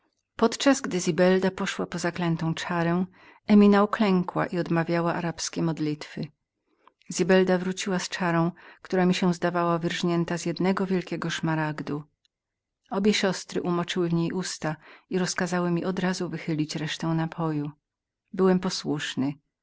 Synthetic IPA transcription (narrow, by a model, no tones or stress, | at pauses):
pɔt̪t͡ʂazɡd̪ɘzʲibɛld̪apɔʂwapɔzaklɛnt̪ɔ̃w̃t͡ʂaɾɛw̃ | ɛmʲinauklɛŋkwa̰ʔiɔd̪mavʲjawaʔaɾapskʲɛmɔd̪lʲit̪fɘ | zʲibɛld̪avɾut͡ɕiwast͡ʂaɾɔ̃w̃kt̪uɾamʲiɕɛ̃zd̪avawavɘɾʐɲɛnt̪azjɛd̪nɛɡɔvʲjɛlkʲɛɡɔʂmaɾaɡd̪u | ɔbʲjɛɕɔst̪ɾɘʔumɔt͡ʂɘwɘvɲejʔust̪aiɾɔskazawɘmʲiʔɔd̪ɾazuvɘxɘlʲit͡ɕɾɛʂt̪ɛw̃napʰɔju | bɘwɛmpɔswuʂnɘ